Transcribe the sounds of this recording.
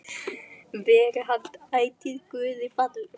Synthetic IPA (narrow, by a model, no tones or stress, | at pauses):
vɛːɾɦaft̪aːjt̪iðkvʏːðɪfat̪l